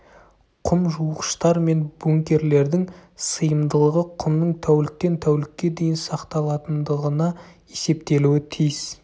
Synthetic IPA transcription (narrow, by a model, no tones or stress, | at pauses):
qʰʊmʒuəqə̥ʃt̪ɑɾme̞nboŋkʲe̞ɾle̞ɾd̪ɪŋsəjəmd̪əlˠəʁəqʰʊmnəɴt̪ʰæwlɪk̪̚ʲːe̞nt̪ʰæwlɪkʲːe̞d̪e̞jɪnsɑqt̪ɑlˠɑt̪ənd̪əʁənɑ | e̞se̞pt̪e̞luwɪt̪ʰijs